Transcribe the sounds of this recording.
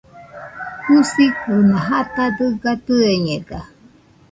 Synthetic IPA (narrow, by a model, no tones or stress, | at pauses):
husikunãɦat̪ad̪ɨɡat̪ueɲeɡa